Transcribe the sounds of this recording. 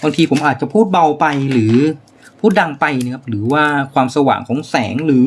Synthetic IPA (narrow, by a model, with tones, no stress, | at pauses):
baː˧ŋt̪ʰiː˧pʰo˩˦mʔaː˨˩t̪̚t͡ɕa˨˩pʰuː˥˩t̪̚ba˧wpa˧jɾɯː˩˦ | pʰuː˥˩t̪̚da˧ŋpa˧jna˧kʰa˦˥p̚ɾɯː˩˦waː˥˩kʰwaː˧msa˧wa̰ː˨˩ŋkʰɔː˩˦ŋsɛː˩˦ŋɾɯː˩˦